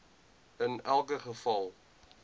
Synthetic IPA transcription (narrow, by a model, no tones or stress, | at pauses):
ənælˠkəχəfɐlˠ